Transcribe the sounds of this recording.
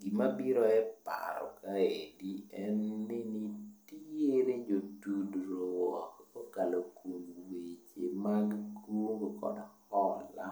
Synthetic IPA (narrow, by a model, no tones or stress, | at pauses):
ɡimabiɾɔɛpa̰ɾɔ̰kaediɛnːinitieɾeɲd͡ʒotudɾowɔkokalokumwet͡ʃemaɡɡoŋɡokɔ̰dahɔla